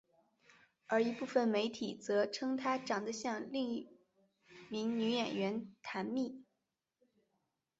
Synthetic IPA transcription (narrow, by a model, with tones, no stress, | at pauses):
ə˞˧˥i˧˥pu˥˩fə˥˩nme˧˥ɪt̪ʰi˨˩t͡sɤ˧˥ʈ͡ʂʰɤ˥ŋt̪ʰa˥ʈ͡ʂɑ˨˩ŋd̪ə˦ɕjɑ˥˧ŋli˥˩ŋ | mi˧˥ŋny˧˥jɛ˨˩nɥɛ˧˥nt̪ʰa˧˥nmi˥˩